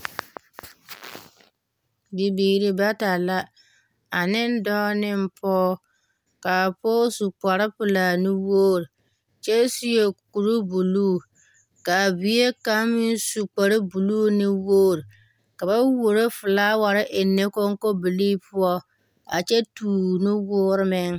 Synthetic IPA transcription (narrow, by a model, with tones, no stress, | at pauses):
bi˨biː˨ɾɪ˨ba˦ta˨la˦ | a˨nɪ˦n˦dɔ˦nɪ˦m̩˦pʰɔː˦ | ka˨poː˦su˨k͡pa˨ɾɪ˦pʊ˨la˨nɪ˦woː˦ɾi˨ | t͡ʃɛ˦si˦je˨ku˨ɾu˦bu˨luː˦˨ | ka˨bi˨˦e˦ka˦mɪ˦n˦su˨k͡pa˨ɾɪ˦bu˨luː˦nɪ˦woː˦ɾɪ˨ | ka˨ba˦wo˨ɾe˦fʊ˨laː˦wa˨ɾɪ˦ʔɪ˨nːe˦ko˦ŋko˦bi˨liː˦pʰʊ˦ɔ˦ | a̰˨t͡ʃɛ˦tuː˨nɪ˦wʊː˦ɾɪ˦mɪ˦ŋ